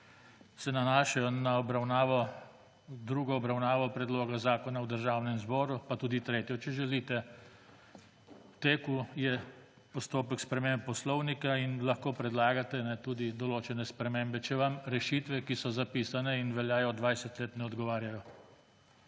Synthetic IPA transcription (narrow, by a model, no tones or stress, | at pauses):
sɛnanaːʃajɔnaɔbɾawnaːʋɔ | d̪ɾuːɡɔːbɾawnaːʋɔpɾɛd̪loːɡazaːkɔnawd̪əɾʒaːwnɛmzbɔːɾupat̪uːd̪it̪ɾeːt̪jɔt͡ʃɛʒɛliːt̪ɛ | t̪eːkujɛ | pɔst̪oːpəkspɾɛmemp̚ːɔslɔwnikainlaxkoːpɾɛd̪laːɡat̪ɛnɛt̪uːd̪id̪ɔloːt͡ʃɛnɛspɾɛmeːmbɛt͡ʃɛʋamɾɛʃit̪ʋɛkisɔzapiːsanɛinʋɛljaːjɔd̪ʋajsɛt̪leːt̪nɛɔd̪ɡɔʋaːɾjajɔ